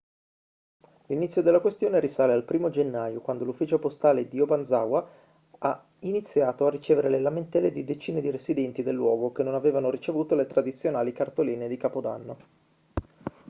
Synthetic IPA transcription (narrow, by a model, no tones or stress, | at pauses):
linit̪sːjod̪elːakwest̪joːneɾisaːlealpɾiːmod͡ʒenːajokwand̪olufːiːt͡ʃopost̪aːled̪ioband̪zawa | a | init̪sːjaːt̪oarːit͡ʃeːveɾelelament̪ɛlːed̪id̪et͡ʃiːned̪iɾesid̪ɛnt̪id̪elːwɔːɡok̟enːonaveːvanoɾit͡ʃevuːt̪olet̪ɾad̪it̪sːjonaːlikart̪oliːned̪ikaːpod̪a̰nːo